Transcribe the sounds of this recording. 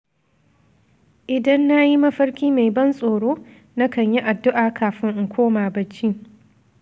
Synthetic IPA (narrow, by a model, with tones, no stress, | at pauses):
ʔɪ˨dɐ˦nːa˦ji˦mɐ˦ɸɐ˦ɽkʲiː˦me˨jbɐ˦nsʼoː˨ɽoː˦ | nɐ˦kɐ˨ɲji˦ʔa˨dːʊ˦ʔaː˨kʰaː˨ɸɪ˦ŋʔŋ̩˨kʷʰoː˦maː˨bɐ˦t͡ʃːiː˦